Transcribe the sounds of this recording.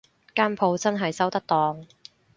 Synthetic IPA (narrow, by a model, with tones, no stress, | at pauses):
kaː˥npʰo˧wt͡sɐ˥nɦɐ˨jsɐ˥wt̪ɐ˥k̚t̪ɔː˨˧ŋ